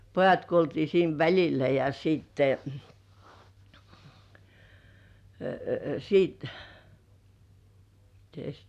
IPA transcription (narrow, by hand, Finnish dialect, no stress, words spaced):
pojɑt kuoltiː siːn ʋælʲilæ jɑ siːtːe siːt mites